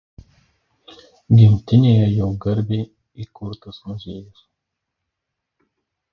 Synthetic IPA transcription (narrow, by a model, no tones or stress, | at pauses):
ɡʲɪmʲt̪ʲɪnʲeːjɛjɛʊɡɐɾʲbʲeː | ikʊɾt̪ɐsmʊzʲeːjʊs